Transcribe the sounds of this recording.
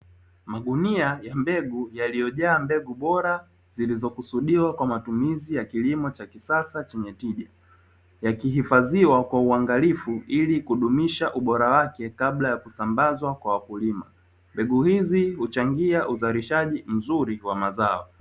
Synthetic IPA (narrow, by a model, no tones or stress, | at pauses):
maɠuniajambɛɡujalijɔʄaːmbɛɡuɓɔɾa | zilizɔkusuɗiwakwamatumizijakilimɔt͡ʃakisasat͡ʃɛɲɛtiʄa | jakiɦifaziwakwauaŋɡalifuilikuɗumiʃaʔuɓɔɾawakɛkablajakusambazwakwawakulima̰ | mbɛɡuhizihut͡ʃaŋɡiaʔuzaɾiʃaʄim̩zuɾiwamazaɔ